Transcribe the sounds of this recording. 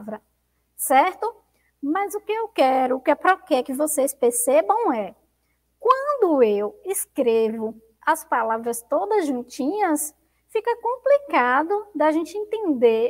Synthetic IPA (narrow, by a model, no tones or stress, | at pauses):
vɾɐ | sɛɾt̪ʊ | mɐzʊkɪewkɛɾʊkɪapɾɔkɛkɪvosespeɾsebɐ̃w̃ɛ | kwɐ̃nd̪ʊewɪskɾevʊ | ɐspalavɾɐst̪od̪ɐzʒũt͡ʃĩɲɐs | fikɐkõplikad̪ʊd̪aʒẽnt͡ʃɪẽnt̪ẽnd̪e